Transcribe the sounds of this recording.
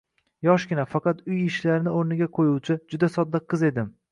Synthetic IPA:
jɒʃɡʲɪnafɑqʰɑt̪ʊjɪʃlaɾɪnɪoɾnɪɡʲaqʰojuwt͡ʃʰɪd͡ʒʊd̪asɒd̪̚ːaqʰːɨze̞d̪ɪm

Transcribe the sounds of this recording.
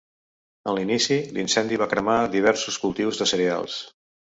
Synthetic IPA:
ənlinisilinsɛnd̪iβakɾəmaðiβɛɾsuskulˠt̪iwzðəsəɾia̰lˠs

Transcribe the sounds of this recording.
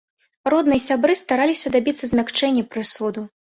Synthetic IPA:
rɔd̪nɨjɛsʲabɾɨst̪aɾalʲisʲɐd̪abʲit̪sːɐzʲmʲakt͡ʂɛnʲːɛpɾɨsud̪u

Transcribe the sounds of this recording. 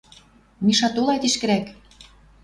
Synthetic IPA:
miʃɑt̪olˠɑjt̪iʃkɘ̆ɾæk

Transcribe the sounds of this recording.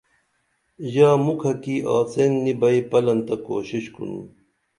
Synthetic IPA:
jaːmukʰɐkiʔa̰ːt͡senːibɐipɐlɐnt̪ɐko̰ːɕiɕkṵnṵ

